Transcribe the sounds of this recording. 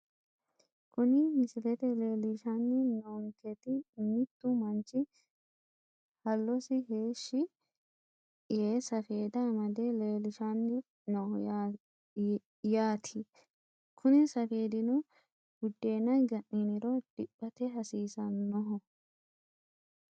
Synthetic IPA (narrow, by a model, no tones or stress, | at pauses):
kʊnɪmɪsɪlɛt̪ɛleːlɪʃanːɪnɔŋkɛt̪ɪmɪt̪ːʊmɐnt͡ʃʼːɪ | hɐlːɔsɪɦeːʃːɪ | jeːsɐfe̞ːd̪ɐmɐd̪eleːlɪʃanːɪ | nɔj | jaːt̪ʰɪ | kʰʊnɪsɐfe̞ːd̪ɪnʊ | ɡ̥ʊd̪ːe̞ːnɐjɡɐʔninɪɾɔd̪̥ɪpːɐt̪ɛɦɐsiːsɐnːɔɦɔ